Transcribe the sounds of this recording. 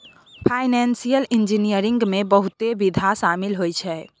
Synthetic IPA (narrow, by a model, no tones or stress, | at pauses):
pʰajnɛnsijəlind͡ʒinijəɾĩŋɡmebəɦut̪ebid̪ʱasamilɦojt͡ʃʰɛ